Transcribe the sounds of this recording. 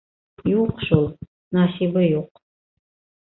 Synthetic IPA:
juqʃulˠ | nasibɐjuq̚

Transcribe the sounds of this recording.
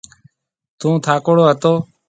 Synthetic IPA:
t̪ũːt̪ʰaːkoːɽoːɦət̪oː

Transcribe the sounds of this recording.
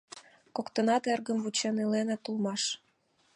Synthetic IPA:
kokt̪ənɑt̪erɣəmvut͡ɕenelenet̪ulmɑʃ

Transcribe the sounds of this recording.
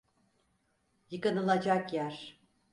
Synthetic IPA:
jɯkɯnɯlˠad͡ʒakjæɾ̥

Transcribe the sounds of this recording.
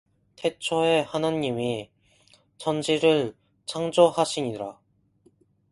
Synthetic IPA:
tʰe̞t͡ɕʰoehanaɲːimi | t͡ɕʌnd͡ʑiɾɯɭ | t͡ɕʰaŋd͡ʑohaɕʰiɲiɾa̰

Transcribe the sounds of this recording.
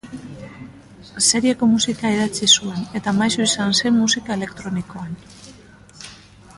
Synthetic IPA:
se̞ɾiako̞musikaeðat͡sisue̞ne̞t̪amajsuisanse̞mmusikae̞le̞kt̪ɾo̞niko̞an

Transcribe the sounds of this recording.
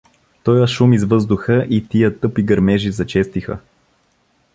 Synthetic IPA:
t̪ɔjəʃumizvɤzd̪uxəʔit̪ijət̪ɤpiɡɐɾmɛʒizɐt͡ʃɛst̪ixə̰

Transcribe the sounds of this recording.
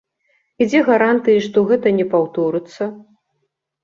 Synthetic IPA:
id͡zʲɛɣaɾant̪ɨjiʂt̪ɔɣɛt̪ɐnʲɛpawt̪ɔɾɨt̪sːɐ

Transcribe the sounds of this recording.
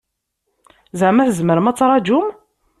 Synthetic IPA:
zaʕmæθəzməɾəmæt͡sːɾˤɑd͡ʒum

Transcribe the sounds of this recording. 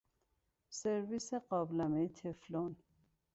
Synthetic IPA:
seɾviseɢɒːblæmet̪ʰeflon

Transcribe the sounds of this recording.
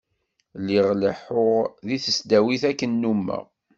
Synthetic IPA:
liʁləħoʁðiθəsd̪æwiθækːənːumːæ̰

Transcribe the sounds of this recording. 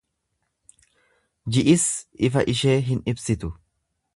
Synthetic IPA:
d͡ʒɪʔɪsʔɪfɐʔɪʃe̞ːɦɪnɪbsɪt̪ʊ

